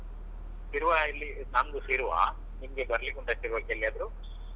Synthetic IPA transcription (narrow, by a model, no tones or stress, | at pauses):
siɾuʋailːinɐnd̪usiɾuʋa̰ | nimɐɡebɐɾɐlikuɳʈasiɾʋɐkɐlːiad̪ɐɾu